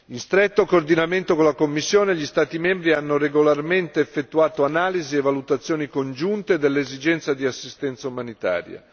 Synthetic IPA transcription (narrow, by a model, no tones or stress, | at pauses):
inst̪ɾet̪ːokoːrd̪inament̪okolakomːisːjoːneʎist̪aːt̪imembɾianːoreɡolarment̪eːfːet̪ːuaːt̪oanaːlizievalut̪at̪sːjoːnikond͡ʒunt̪ed̪elːeezid͡ʒɛnt̪sad̪iasːist̪ɛnt̪saumanit̪a̰ːɾja̰